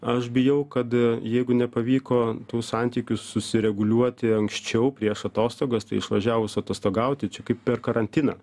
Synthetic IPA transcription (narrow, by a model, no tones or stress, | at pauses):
ɐʃbʲɪjɛʊkɐt̪jɛɪɡʊnʲɛpɐʋʲiːkoːt̪uːssɑnʲt̪ʲiːkʲʊssʊsʲɪɾʲɛɡʊlʲuɔt̪ʲɪɐŋksʲt͡ʃʲɛʊpʲɾʲiɛʃɐt̪oːst̪oːɡɐst̪ɐɪɪʃʋɐʒʲæːʋʊsʊɐt̪oːst̪oːɡɐʊt̪ʲɪt͡ʃʲɛkɐɪppʲɛrkɐɾɐnʲt̪ʲɪnɐ̰ː